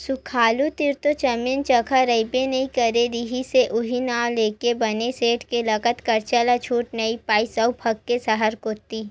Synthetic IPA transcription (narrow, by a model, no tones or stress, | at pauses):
sʊkʰaːlut̪ɪɾt̪ot͡ʃɐmɪnt͡ʃɐkʰaɾɐɪpenɐɦĩkɐɾeɾiɦiseʔʊɦinaːwleːkebɐneseːʈkelɐkət̪kɐɾt͡ʃəlat͡ʃʰuːʈnɐipaːisɐupʰɐɡkesɐɦəɾkoːt̪iː